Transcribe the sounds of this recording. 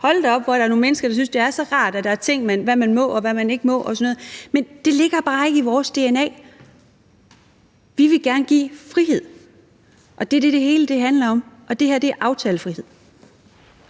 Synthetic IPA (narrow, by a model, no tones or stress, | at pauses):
hɒ̽ld̥ɒ̽b̥ʋɒɾ̥ɑ̈æɐno̝ːnmenəsɡ̥ɐd̥ɾɑ̈s̬ynsd̥e̝æɐsɒ̽ʁɑ̰̈ːd̥æd̥ɑ̈æɐt͡sʰe̝ŋ̰mænʋæmænmɔ̽ɒ̽ʋæmæne̝ɡ̥əmɔ̽ʔɒ̽sɒnɔːð̩ˠmend̥e̝le̝ɡ̥ɐb̥ɑ̈ːe̝ɡ̥əiʋɒːsd̥e̝enɛ̰ː | ʋiʋe̝ɡ̥æɐnəɡ̥ḭːfʁihe̝ð̰ˠ | ʔɒ̽d̥e̝æɐd̥e̝d̥e̝ɦe̝ːləd̥e̝ɦænlɐɒ̽mʔɒ̽d̥e̝heɐ̰d̥e̝æɐʔɑ̈ʊt͡sʰɛːləfʁihe̝ð̰ˠ